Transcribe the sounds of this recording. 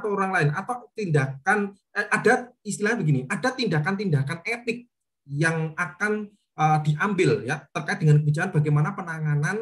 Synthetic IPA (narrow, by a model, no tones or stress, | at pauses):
t̪aoɾaŋlaɪnat̪awt̪indakan | əʔadaist̪ilaɲabəɡiniʔad̥at̪indakant̪indakanepɪk̚ | jaŋakan | ʔədiʔambɪljat̪ərkaɪt̪̚dəŋankəbid͡ʒakanb̥aɡajmanapənaŋanan